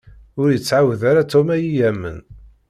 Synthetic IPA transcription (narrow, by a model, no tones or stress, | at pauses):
ʊɾjət͡sːʕawðaɾat̪ɔmæjijæmːə̰n